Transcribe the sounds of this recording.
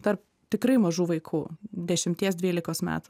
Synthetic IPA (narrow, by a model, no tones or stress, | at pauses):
t̪ɐɾp̚ | t̪ʲɪkɾɐɪmɐʒuːʋɐɪkʰuːd̪ʲɛʃʲɪmʲt̪ʲiɛsd̪ʲʋʲiːlʲɪkoːsmʲæ̰ːt̪u